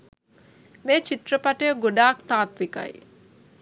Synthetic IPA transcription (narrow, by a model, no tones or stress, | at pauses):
meːt͡ʃit̪rəpaʈəjəɡoɖaːkt̪aːt̪ʋika̰j